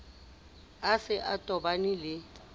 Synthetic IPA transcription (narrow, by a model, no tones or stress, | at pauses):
asɪʔatʼɔbanilɪ